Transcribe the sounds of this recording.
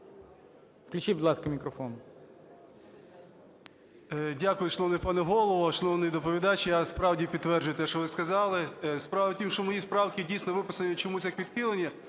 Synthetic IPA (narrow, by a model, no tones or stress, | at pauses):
fklʲʊt͡ʃibʊd̪ˠɑskɐmʲikɾɔfɔn | dʲakʊjʊʃɔnɔʋnɛjpɑnɛɦɔlˠɔʋɔʃɔnɔʋnɛjd̪ɔpɔʋʲid̪ɑt͡ʃɪjaspɾɑwdʲipʲid̪t̪ːʋɛrd͡ʒʊjʊt̪ɛʃt͡ʃɔʋɪskɐzɑlˠɪspɾɑʋɐtʲimʃɔmɔjispɾɑwkʲɪdʲijsnɔʋɪpɪsɐnʊt͡ʃɔmusʲjakʋʲid̪̥xɪlˠenʲːɐ